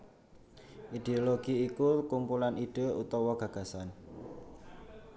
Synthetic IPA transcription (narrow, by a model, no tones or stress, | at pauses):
ʔid̪̥eoloɡ̥i̤ikukumpulaniɖ̥e̤ṵt̪ɔwɔɡ̥ä̤ɡ̥ä̤san